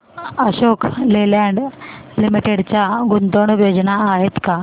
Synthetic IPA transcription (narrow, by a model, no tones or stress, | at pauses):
əɕokʰlelaɳɖlimiʈeɽt͡ɕjaɡunt̪oɳʋjod͡ʑnaːɦet̪ka